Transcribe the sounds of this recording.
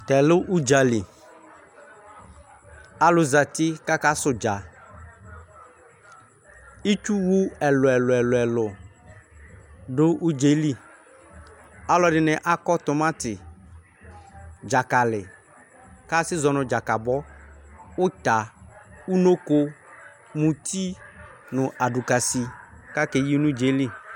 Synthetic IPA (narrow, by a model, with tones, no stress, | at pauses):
t̪ɛ˨lʊ˦ʔu˦d͡ʒa˨li˨ | a˨lʊ˨za˨tɪ˦ka˦ka˦sʊ˨d͡ʒa˨ | i˦t͡ʃu˦wu˦ɛ˨lʊ˨ɛ˨lʊ˨ɛ˨lʊ˨ɛ˨lʊ˨ | dʊ˦ʔu˦d͡ʒe˨˦li˦ | a˨lɔ˨˦ɖɪ˨nɛ˨ʔa˦kɔ˦t̪ʊ˨mã˦t̪ɪ˨ | d͡ʒa˨ka˨lɪ˨ | ka˦sɪ˦zɔ˨nʊ̃˨d͡ʒa˨ka˨bɔ˦ | ʊ˦t̪a˨u˦no˦ko˦ | mũ˨t̪ʰi˦nʊ̃˨ʔa˨ɖu˨ka˨si˨ka˦ke˨ji˦nʊ̃˦d͡ʒe˨˦li˦